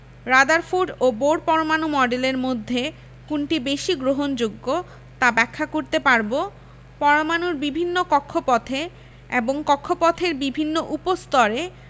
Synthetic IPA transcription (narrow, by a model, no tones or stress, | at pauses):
ɾad̪aɾfuɖoboɖpɔɾomanumɔɖeleɾmod̪ʱːe | kunʈibeʃiɡɾoɦond͡ʑoɡːo | t̪abɛkʰːakoɾt̪epaɾbo | pɔɾomanuɾbibʱinːokɔkʰːopɔt̪ʰe | eboŋkɔkʰːopɔt̪ʰeɾbibʱinːoʔupost̪ɔɾe